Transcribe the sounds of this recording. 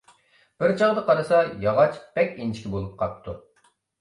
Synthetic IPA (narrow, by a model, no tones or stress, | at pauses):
b̥ɪɾt͡ʃʰɑʁd̪əqɑɾɨsɑjɑʁɑt͡ʃb̥ɛkʲint͡ʃʰi̥kʲibolˠup̚qʰɑp̚t̪ʰːu